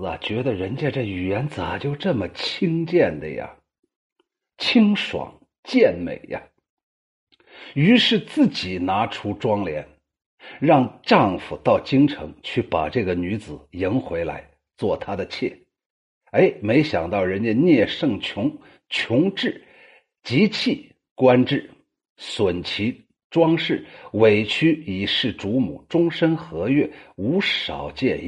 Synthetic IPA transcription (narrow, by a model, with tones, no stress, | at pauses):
ɐ̰˧˩t͡ɕɥɛ˧˥d̪ə˧ɻə˧˥nt͡ɕjɛ˥˧ʈ͡ʂa˥˩ɪy˨˩jɛ˧˥nt͡sa˨˩t͡ɕjo˥˧ʊʈ͡ʂɤ˥˩mə˩t͡ɕʰi˥ŋt͡ɕjɛ˥˩nd̪ə̰˨ja̰˩ | t͡ɕʰi˥ŋʂwɑ̰˨˩˦ŋ | t͡ɕjɛ˥˩nmḛ˨˩ɪja̰˧ | y˧˥ʂɻ̩˥˧t͡sɹ̩˥˩t͡ɕi˨˩na˧˥ʈ͡ʂʰu˥ʈ͡ʂwɑ˥ŋljɛ˧˥n | ɻɑ˥˧ŋʈ͡ʂɑ˥˩ŋfu˨˩t̪ɑ˥˩ʊt͡ɕi˥ŋʈ͡ʂʰɤ˧˥ŋt͡ɕʰy˥˩pa̰˨˩ʈ͡ʂɤ˥˩ɡə˩ny˧˥t͡sɹ̩˨˩˦ji˧˥ŋxwe˧˥ɪla̰˧˥ɪ | t͡swɔ˥˩t̪ʰa˥d̪ə˨t͡ɕʰjɛ̰˥˩ | e˧˥ɪme˧˥ɪɕjɑ˨˩ŋt̪ɑ˥˩ʊɻə˧˥nt͡ɕɛ˥nnjɛ˥˧ʂɤ˥˩ŋt͡ɕʰjʊ˧˥ŋ | t͡ɕʰjʊ˧˥ŋʈ͡ʂɻ̩˥˩ | t͡ɕi˧˥t͡ɕʰi˥˩ | kwa˥nʈ͡ʂɻ̩˥˩ | swə˨˩nt͡ɕʰi˧˥ | ʈ͡ʂwɑ˥ŋʂɻ̩˥˩we˨˩ɪt͡ɕʰy˥i˨˩ʂɻ̩˥˩ʈ͡ʂu˧˥mu˨˩ʈ͡ʂʊ˥ŋʂə˥nxɤ˧˥ɥɛ˥˩u˧˥ʂɑ˨˩ʊt͡ɕjɛ˥˧ḭ˥